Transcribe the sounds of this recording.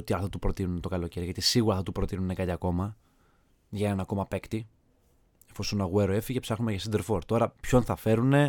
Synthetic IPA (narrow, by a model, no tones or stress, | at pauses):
ot̪iɐlθɐt̪upɾo̞t̪inunet̪o̞kɐlo̞ce̞ɾiʝɐt̪isiɣuɾɐθɐt̪upɾo̞t̪inune̞kɐt̪iɐko̞mɐ | ʝɐnenɐko̞mɐpe̞kt̪i | efosusonɐɣueɾoe̞ficepsɐxnumeʝɐsind̪e̞ɾfo̞ɾt̪o̞ɾɐpço̞nθɐfe̞ɾune̞